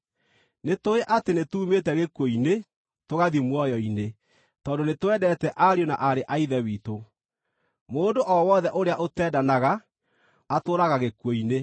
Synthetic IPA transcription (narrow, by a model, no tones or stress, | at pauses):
netoeʔatenetuːmetɛɣekwoine | toɣaðimwɔjɔine | tɔːndonetwɛdɛtɛʔaɾjona̰ʔaɾeʔaiðɛwiːto | moːndoʔɔwɔðɛʔoɾeaʔotɛːdanaɣaː | toːɾaɣaɣekwoine